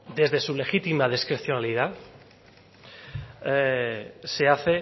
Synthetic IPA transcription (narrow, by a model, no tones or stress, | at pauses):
d̪e̞zðe̞sulexit̪imað̞eskɾe̞θjonaliða | se̞aθe